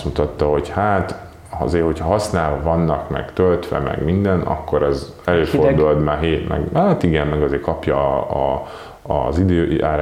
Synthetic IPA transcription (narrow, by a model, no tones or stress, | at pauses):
smut̪ɒt̪ːɒɦo̞chaːt̪ | ɒ̰zeːho̞cʰhɒɦɒsnaːlvɒvɒnːɒkmɛ̰ɡt̪ølt̪ʋɛ̰mɛ̰ɡmind̪ɛnʔɒ̰kːo̞ɾɛz | ɛløːfo̞rd̪uld̪maɦeːt̪mɛ̰ɡaːt̪iɡɛmːɛɡɒzeːkɒpjɒ | zid̪øːʔaːɾ